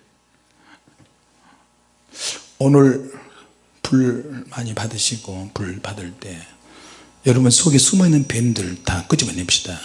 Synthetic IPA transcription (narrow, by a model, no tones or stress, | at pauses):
onɯɭ | puɭmaɲipadɯɕʰiɡopuɭpadɯɭt͈e̞ | jʌɾʌbunsʰoɡesʰumʌenːɯnpendɯɭtʰakɯd͡ʑimaɲːep̚ɕ͈i̥d̥a